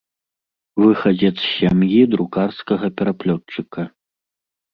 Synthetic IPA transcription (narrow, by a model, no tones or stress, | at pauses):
vɨxɐd͡zʲɛt̪sɕʲamjid̪ɾukarskɐɣɐpʲɛɾaplʲɔt͡ʂɨkɐ